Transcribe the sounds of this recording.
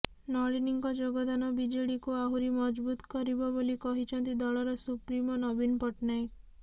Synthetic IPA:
nɔɭiniŋkɔd͡ʒoɡɔd̪anɔbid͡ʒeɽikuaɦuɾimɔd͡ʒbut̪kɔɾibɔbolikɔɦit͡ʃʰɔnt̪id̪ɔɭɔɾɔsupɾimɔnɔbinɔpɔʈnaj

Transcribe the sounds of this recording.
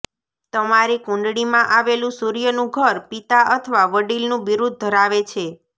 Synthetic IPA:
t̪əmaɾikũɳɖɽimãʔaʋelũsuɾijənũɡʱəɾpit̪aʔət̪ʰəʋaʋəɖilnũʋiɾud̪̚ːʱəɾaʋet͡ʃʰe

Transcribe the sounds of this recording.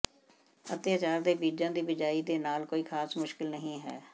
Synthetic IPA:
ət̪jaːt͡ʃaːɾd̪eːbiːd͡ʒãːd̪iːbɪd͡ʒaːiːd̪eːnaːlkoːiːxʰaːsmʊʃkɪlnəɦĩːɦɛ̰ː

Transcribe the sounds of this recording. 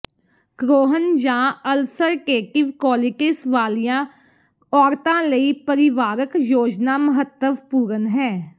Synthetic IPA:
ɡ̥ɾoːɦənd͡ʒãːəlsəɾkeːʈɪʋkɔːlɪkɪsʋaːlijã | ɔːɾt̪ãːləipəɾɪʋaːɾəkjoːd͡ʒnaːməɦət̪ːəʋpuːɾənɦɛ̃ː

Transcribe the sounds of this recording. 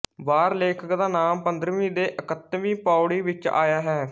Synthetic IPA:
ʋaːɾleːkʰəkd̪aːnaːmpənd̪ɾʋĩːd̪eːʔəkət̪ʋĩːpaːʊɽiːʋɪt͡ʃa̰ːjaːɦɛː

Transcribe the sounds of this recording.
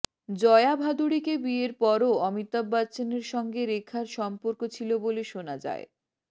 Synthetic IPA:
d͡ʑɔeabʱad̪uɽikebieɾpɔɾoɔmit̪ːabːat͡ɕineɾʃɔŋɡeɾekʰaɾʃɔmpoɾkot͡ɕʰiloboleʃonad͡ʑa̰e

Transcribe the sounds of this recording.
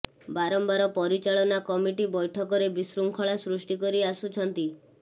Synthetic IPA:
baɾɔmbaɾɔpɔɾit͡ʃaɭɔnakɔmiʈibɔjʈʰɔkɔɾebisɾuŋkʰɔɭasɾusʈikɔɾiasut͡ʃʰɔnt̪i

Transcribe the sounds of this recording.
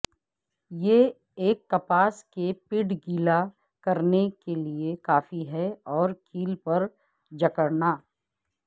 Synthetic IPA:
jeː | eːkːɐpaːskepɪɖɡiːla | kɐɾnekeliekaːfiɦɛɔːɾkʰiːlpɐɾ | d͡ʒɐkəɽnaː

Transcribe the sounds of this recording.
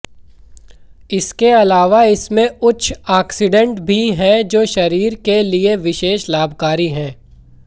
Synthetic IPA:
ɪskeɐlaːʋaɪsmẽʊt͡ʃʰaːksɪɖə̃ɳʈbʱiɦɛ̃d͡ʒoːʃɐɾiːɾkelieʋɪʃeːʃlaːbʱkaːɾiɦɛ̃ː

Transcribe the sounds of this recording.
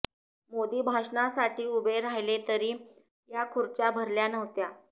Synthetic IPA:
mod̪iːbʱaʂnasaʈʰiːubʱeɾaɦjlet̪əɾiː | jakʰuɾt͡ɕabʱəɾljanəʋt̪ja

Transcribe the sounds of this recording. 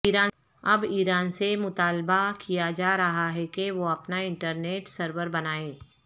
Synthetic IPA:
iːɾaː | ɐbiːɾaːnsemʊt̪aːlbakijad͡ʒaːɾɐɦaɦɛkeʋoɐpnaɪ̃ɳʈəɾneːʈsəɾʋəɾbɐnaːeː

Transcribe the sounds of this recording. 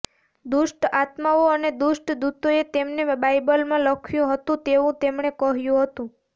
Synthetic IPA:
d̪uʃʈat̪maoəned̪uʃʈd̪ut̪oet̪emnebajbəlmãləkʰjũɦət̪ũt̪eʋũt̪emɳekəɦjũɦət̪ũ

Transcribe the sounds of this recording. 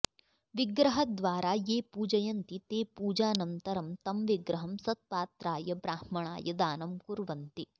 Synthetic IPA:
ʋiɡɾɐɦɐd̪ʋaːɾaːjeːpuːd͡ʒɐjɐnt̪it̪eːpuːd͡ʒaːnɐnt̪ɐɾɐmt̪ɐmʋiɡɾɐɦɐmsɐt̪̚paːt̪ɾaːjɐbɾaːhmɐɳa̰ːjɐd̪aːnɐmkuɾʋɐnt̪i

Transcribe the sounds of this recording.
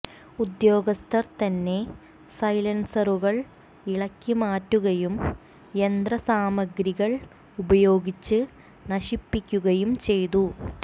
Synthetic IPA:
ud̪jo̞ːɡɐst̪ʰɐrt̪ɐnːe̞ | sɐjlɐnsɐruɣɐɭ | iɭɐkʲːimaːtːuɣɐjum | end̪ɾɐsaːmɐɡɾiɣɐɭ | ubɐjo̞ːɡit͡ɕːɨ | nɐɕipːikʲːuɣɐjumt͡ɕe̞jt̪u

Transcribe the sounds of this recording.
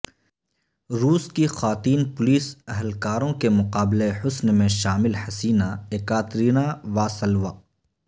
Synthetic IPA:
ɾuːskixaːt̪iːnpʊliːsɛɦlkaːɾõkemʊqaːbleħʊsnmẽʃaːmɪlhɐsiːnaeːkaːt̪ɾiːnaʋaːsɐlʋaː

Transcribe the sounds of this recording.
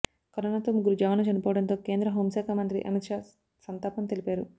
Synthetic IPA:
kɐɾɐnɐt̪oːmuɡuɾud͡ʒaːʋɐnɐt͡ʃɐnipɔːwɐɽɐnt̪o̞ːke̞ːnd̪ɾɐɦoːmsaːkʰaːmɐnt̪ɾḭʔɐ̰mit̪ʂaː | sɐnt̪aːpɐmt̪e̞lipaːɾu

